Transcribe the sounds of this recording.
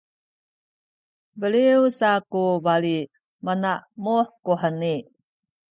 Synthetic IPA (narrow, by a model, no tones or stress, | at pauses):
bəliwsakuvali | manaʔmuħkuħəni